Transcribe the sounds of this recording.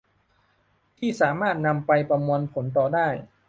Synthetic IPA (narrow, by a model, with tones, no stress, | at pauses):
t̪ʰiː˥˩saː˩˦maː˥˩t̪̚na˧mpa˧jpa˧mwo˧npʰo˩˦nt̪̬ɔː˨˩daː˥˩j